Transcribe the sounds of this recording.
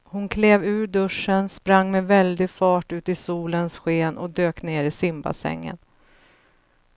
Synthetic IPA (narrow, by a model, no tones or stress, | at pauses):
hʊnkʰleːvʉ̟ːɾɖɵʂːənspɾaŋːmɛvɛld̪ɪɡfɑːʈʉ̟ːt̪ɪsuːlənsɧeːnʔɔd̪øːkneːɾɪsɪmba̰sɛ̰ŋːə̰n